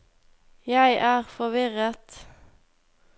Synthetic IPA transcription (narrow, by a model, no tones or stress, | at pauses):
jæɪʔæːʁfɔʋɪʁət̪